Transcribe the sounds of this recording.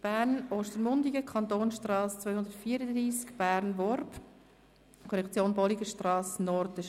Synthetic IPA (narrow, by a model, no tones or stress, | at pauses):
b̥æːɾnoːʃtəɾmʊndiɡəkʰɑnt̪oːnʃtrɑːst͡sʋœʏhʊnd̪ətfiəɾəd̪ɾiːskb̥æɾnvɔrp | kʰɔɾɛkʰt͡sjoːnbɔliɡəʃtrɑːsnɔɾtə